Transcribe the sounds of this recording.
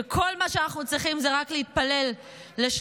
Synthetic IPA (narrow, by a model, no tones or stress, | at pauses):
ekʰo̞lmaʃeanaχnut͡sʁiχimzeʁaklehit̪̚pale̞lː | eʃ